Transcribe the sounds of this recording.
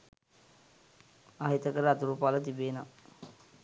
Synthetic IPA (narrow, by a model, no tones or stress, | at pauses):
aɦit̪əkəɾəat̪uɾuːpaːlət̪ibeːna